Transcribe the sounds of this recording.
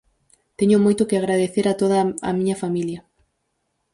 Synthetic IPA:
t̪ɛɲʊmojt̪ʊkeaɣɾaðeθeɾat̪oð̞ɐɐ̰mĩɲɐfamiljɐ

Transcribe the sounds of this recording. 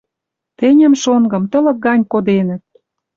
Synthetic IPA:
t̪enʲə̆mʃoŋɡɤ̆mt̪ə̆lɤ̆k̚ɡɑnʲkod̪enə̆t̪̚

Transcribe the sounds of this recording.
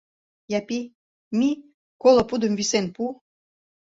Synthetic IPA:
japi | mi | kolŏpud̪ə̆mvisenpu

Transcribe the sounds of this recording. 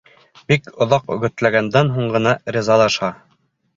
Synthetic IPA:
bikŏðɑqɵ̆ɡɵ̆t̪læɡænd̪ænɦuɴɢɤ̆nɑɾʲizɑlˠɑʃɑ

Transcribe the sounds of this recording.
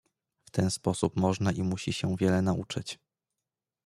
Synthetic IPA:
ft̪ɛnspɔsupmɔʐnaʔimuɕiɕɛvʲjɛlɛnaṵt͡ʂɘt͡ɕ

